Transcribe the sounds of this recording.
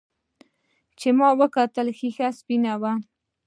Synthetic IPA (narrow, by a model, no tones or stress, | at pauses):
t͡ʃemɑwəkɑt̪əlxixaspinawa